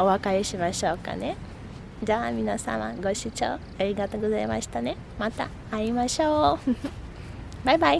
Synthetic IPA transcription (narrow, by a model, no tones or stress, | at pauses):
oβakaeɕimaɕoːka̰ne̞ | d͡ʑamʲinasã̰ma̰ɡo̞ɕit͡ɕo̰ː | aɾʲiɡat̪oːɡozaimaɕi̥t̪ane̞ | mat̪a̰ːɾimaɕoː | bajbai